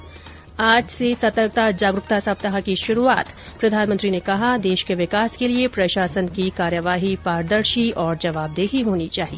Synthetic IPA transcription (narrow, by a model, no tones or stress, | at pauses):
aːd͡ʒsesɐt̪əɾɡ̚t̪ad͡ʒaːɡɾʊk̚t̪asɐb̚t̪ɐɦakiʃʊɾua̰ːt̪ | pɾɐd̪ʱaːnmə̃nt̪ɾinekɐɦad̪eːʃkeʋɪkaːskeliepɾɐʃaːsənkikaːɾjəʋaːɦipaːɾd̪əɾʃiɔːɾd͡ʒɐʋaːb̚d̪eːɦiɦoːnit͡ʃaːɦieː